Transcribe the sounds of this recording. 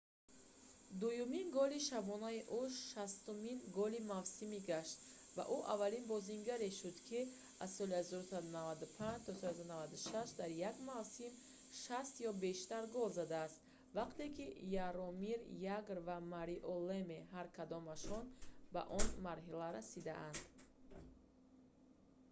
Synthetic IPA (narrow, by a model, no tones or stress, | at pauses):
d̪ujuminɡɔliʃabɔnaiʔuʃast̪uminɡɔlimavsimiɡaʃt̪ | va̰ʔuʔavalinbɔziŋɡaɾeʃud̪kʰi | assɔlihazɔɾusad̪unavad̪upʰand͡ʒt̪ʰɔsɔls̬ad̪navad̪uʃaʃd̪aɾjaɡmavsim | ʃast̪jɔbe̞ʃt̪aɾɡɔlzad̪aːst̪ | vaqt̪e̞kʰijaɾɔmiɾjaɡɾvamaɾiʔɔlemeɦaɾkʰad̪ɔmaʃɔnba̰ʔɔnmaɾɦilaɾasid̪a̰ʔand̪